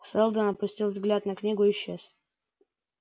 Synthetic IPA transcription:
solˠd̪ənɐpʊsʲtʲilˠvzɡlʲat̪nɐknʲiɡʊɪɕːes

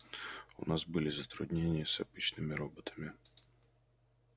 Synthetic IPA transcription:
ṵnɑzbɨlʲˠɪzɐt̪ɾʊd̪ʲnʲenʲɪjəsɐpit͡ʃnɪmɪɾɔbɔt̪ʰɐ̥mʲɪ

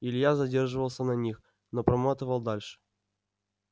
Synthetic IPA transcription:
ilʲjazɐdʲe̞rʐɨvəlˠsʲənɐnʲix | nopɾɐmat̪ɨvəlˠd̪alʲʂɨ̥

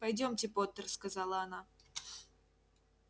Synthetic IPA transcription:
pɐjdʲo̞mtʲɪpot̪ːərskɐzalˠəɐna

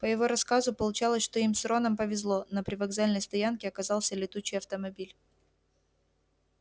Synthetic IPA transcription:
pəjɪvo̞ɾɐskazʊpəlˠʊt͡ɕalˠəsʲʂt̪o̞imsɾo̞nəmpəvʲɪzlˠo̞nəpɾʲɪvɐɡzalʲnəjst̪ɐjankʲɪɐkɐzɑlˠsʲəlʲɪt̪ut͡ɕːɪjɐft̪əmɐbʲilʲ

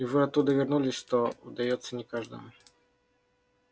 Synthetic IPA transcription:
ɪvɨɐt̪ːud̪ɨvʲɪrnulʲɪsʲt̪ɔud̪ajɔt̪sːənʲɪkaʐd̪ə̰m

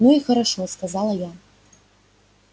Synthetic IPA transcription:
nuixɐɾaʂɔskazalˠɐja

